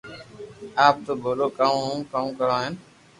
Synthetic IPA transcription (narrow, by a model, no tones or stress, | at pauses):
aːp̚t̪oːboːɾoːkãkãkəɾãːɦɛn